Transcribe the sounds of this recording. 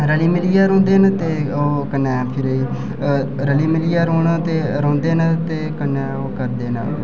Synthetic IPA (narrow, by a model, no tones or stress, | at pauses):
ɾəliːmɪlijaːɾõːnd̪eːnt̪eːoːkənːɛ̃ːpʰɪɾi | ɾəliːmɪliːaːɾõːnat̪eːɾõːnd̪eːnt̪eːkənːɛ̃ːoːkəɾd̪eːnə̰